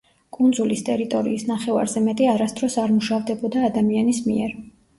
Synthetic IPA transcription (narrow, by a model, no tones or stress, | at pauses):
kʼund̪zulist̪ʼɛɾit̪ʼɔɾḭːsnaχɛva̰ɾzɛmɛt̪ʼiaɾast̪ʼɾɔsaɾmuʃavd̪ɛbɔd̪aːd̪amianismiɛɾ